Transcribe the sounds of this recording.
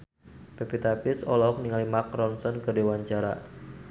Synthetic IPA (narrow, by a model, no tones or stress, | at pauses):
pepit̪apɪsɔlɔɔk̚niŋalimak̚rɔnsɔnkɨrdewaɲt͡ʃaɾa̰